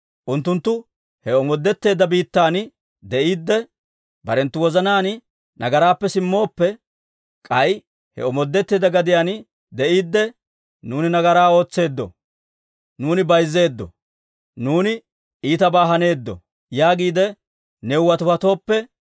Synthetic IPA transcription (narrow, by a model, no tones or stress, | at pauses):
ʔʊnt̪ːʊnt̪ːʊ | hɛɔmɔd̪ːɛt̪ːe̞ːd̪ːɐbiːt̪ːaːn | d̪ɛʔiːd̪ːɛ | bɐɾɛnt̪ːʊwɔzɐnaːn | nʔɐɡɐɾaːpːɛsɪmːo̞ːpːɛ | kʼɐj | hɛ̰ɔmɔd̪ːɛt̪ːe̞ːd̪ɐɡɐd̪ɪjaːn | d̪ɛʔiːd̪ːɛ | nuːnɪnɐɡɐɾaːo̞ːt͡sːe̞ːd̪ːɔ̰ | nuːnɪbɐjzːe̞ːd̪ːɔ̰ | nuːnɪ | ʔiːt̪ɐbaːɦɐne̞ːd̪ːɔ̰ | jaːɡiːd̪ɛ | nɛʊwɐt̪ʊfɐt̪o̞ːpːɛ